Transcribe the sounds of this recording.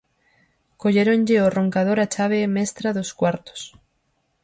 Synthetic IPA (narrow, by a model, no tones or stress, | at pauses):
koʎeɾonʎɪoroŋkaðoɾat͡ʃaβ̞emest̪ɾaðoskwaɾt̪o̥s